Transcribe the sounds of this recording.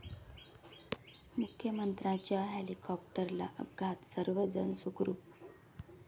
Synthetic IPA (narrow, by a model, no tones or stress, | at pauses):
mukʰjəmənt̪ɾat͡ɕjaɦɛlikʰɔp̚ʈəɾla̰ʔəb̚ɡʱat̪səɾʋəd͡zə̰nsukɾuː